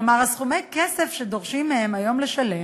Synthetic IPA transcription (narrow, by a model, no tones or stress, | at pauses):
maʁasχumejkesefʃed̪o̞ʁʃimːehemajo̞mleʃale